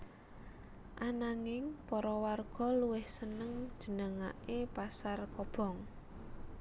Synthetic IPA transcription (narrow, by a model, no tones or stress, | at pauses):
ʔanaŋɪŋpɔɾɔwarɡ̥ɔ̤luwɪhsənəŋ̥ʒ̥ə̤nəŋa̰ʔepasarkɔb̥ɔ̤ŋ